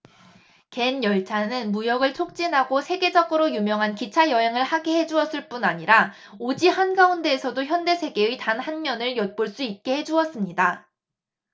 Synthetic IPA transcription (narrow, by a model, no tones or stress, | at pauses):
ke̞njʌɭt͡ɕʰanɯnmujʌɡɯɭt͡ɕʰok̚t͡ɕ͈inɦaɡosʰe̞ɡe̞d͡ʑʌɡɯɾojumjʌŋɦankit͡ɕʰajʌɦeŋɯɭhaɡeɦe̞d͡ʑuʌs͈ɯɭp͈unaɲiɾa | od͡ʑihanɡaunde̞ːsʰʌdoçjʌnde̞sʰe̞ɡe̞ɥitanhanmjʌnɯɭjʌt̚p͈oɭs͈uit̚k͈e̞he̞d͡ʑuʌs͈ɯmɲida